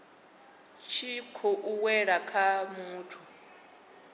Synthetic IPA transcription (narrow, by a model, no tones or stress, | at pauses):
t͡ʃʰikʰɔʔuwɛɺakʰamuːtʰu